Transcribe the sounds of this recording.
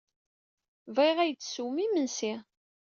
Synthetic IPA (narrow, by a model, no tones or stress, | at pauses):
vʁiʁæjt͡sːsuwmimənsi